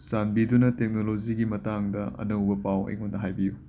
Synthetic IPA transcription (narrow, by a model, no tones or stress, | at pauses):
sanbidunɐtek̚noloziɡimɐtaŋdɐɐ̰nɐwbɐpawɐ̰jŋondɐɦajbiju